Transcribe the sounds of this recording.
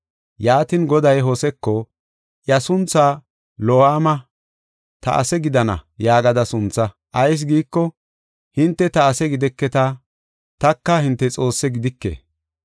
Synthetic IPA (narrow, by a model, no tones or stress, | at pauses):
jaːt̪ɪnɡɔd̪ɐjɦosɛkːɔ | ʔjɐsʊnt͡sːaː | lohaːmɐ | t̪ɐ̰ʔɐ̰sɛɡɪd̪ɐnɐ̰jaːɡɐd̪ɐsʊnt͡sːɐ | ʔɐjs̬ɡiːkːɔ | hɪnt̪ːɛt̪ɐːsɛɡɪd̪ɛkːɛt̪ɐ | t̪ɐkːɐhɪnt̪ːɛt͡sʼo̞ːsːɛɡɪd̪ɪkːḛː